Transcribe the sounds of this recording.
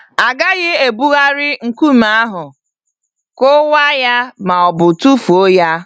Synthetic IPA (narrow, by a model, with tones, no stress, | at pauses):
a˨ɡa˦ɣɪ˦e˨bu˦ɣa˦ɾɪ˦ŋ̩˨ku˦m̩˦a˦a˦ɦʊ˨ | ko˦wa˦ja˦ma˨ɔ˨bʊ˨tu˦fu˨o˦ja˦